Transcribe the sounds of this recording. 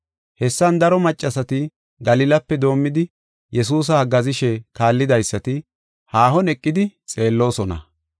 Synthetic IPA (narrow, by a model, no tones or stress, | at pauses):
hɛsːɐnd̪ɐɾɔmɐt͡ʃʼːɐsɐt̪ɪ | ɡɐlɪlɐpːɛd̪o̞ːmːɪd̪ɪ | jɛs̬uːs̬ɐɐɡɐzɪʃɛkaːlːɪd̪ɐjsːɐt̪ɪ | haːhɔnɛkʼːɪd̪ɪt͡sʼe̞ːlːo̞ːsɔnɐ̰